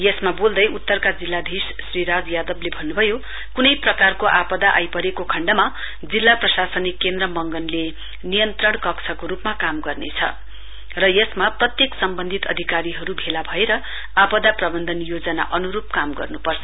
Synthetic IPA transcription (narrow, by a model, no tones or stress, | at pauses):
jʌsmabold̪ʌjʔut̪ːʌrkad͡zilːad̪ʱis | sriɾad͡zjad̪ʌblebʱʌnːubʱʌjo | kunʌjprʌkarkoʔapʌd̪aʔa̰jpʌɾekokʰʌɳɖʌma | d͡zilːaprʌsasʌnikːend̪rʌmʌŋɡʌnle | nijʌnt̪rʌɽ̃kʌksʰʌkoɾupmakamɡʌrnet͡sʰʌ̰ | rʌjʌsmaprʌt̪jeksʌmbʌnd̪ʱit̪ʌ̰d̪ʱikaɾiɦʌɾubʱelabʱʌeɾʌ | apʌd̪aprʌbʌnd̪ʱʌnjod͡zʌna̰ʔʌnuɾup̚kamɡʌ̰rnupʌrt͡sʰʌ̥